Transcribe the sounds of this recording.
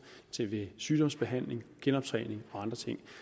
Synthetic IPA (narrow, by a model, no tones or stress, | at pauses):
t͡sʰe̝ʋe̝syːd̥ɒ̽m̰sb̥e̝ɦæn̰le̝ŋɡ̥enɒ̽b̥̚t͡sʰʁɛ̰ːne̝ŋɒ̽ɑ̈nd̥ʁɐt͡sʰe̝ŋ̰